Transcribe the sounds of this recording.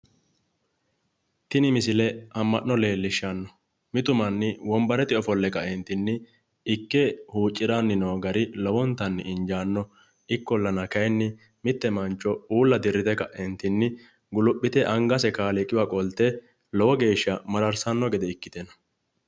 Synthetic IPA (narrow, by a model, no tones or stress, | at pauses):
t̪ɪnɪmɪsɪlɛɐmːɐʔnːɔle̞ːlːɪʃːɐnːɔ | mɪt̪ʊmɐnːɪwɔmbɐɾɛt̪ɪɔfɔlːɛkɐɛnt̪ɪnːɪ | ɪkːɛhuːt͡ʃʼːɪɾanːɪnoːɡɐɾɪlɔwɔnt̪ːɐnːɪɪnd͡ʒaːnːɔ | ʔɪkːɔlːɐnɐkɐjnːɪ | mɪt̪ːɛmɐnt͡ʃːɔuːlːɐd̪ɪɾːɪt̪ɛkɐʔɛnt̪ɪnːɪ | ɡʊlʊpʼːɪt̪ɛʔɐŋɡɐsɛkaːlɛkʼːɪwakʼɔlt̪ːɛ | lɔwɔɡe̞ːʃːɐmɐɾɐɾsɐnːɔɡɛd̪ɛɪkːɪ̥t̪ɛnɐ̥